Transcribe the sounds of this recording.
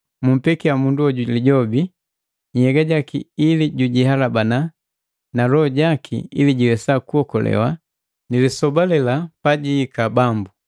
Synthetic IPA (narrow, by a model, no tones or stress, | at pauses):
mum̩pɛkiamunduɔɟuliɟɔbi | ɲhɛɡaɟakḭiliɟuɟihalabana | nalɔɔɟakʰḭḭliɟiwɛsakuhɔkɔlɛ̰wa | nilisɔbalɛlapaɟiːkabambu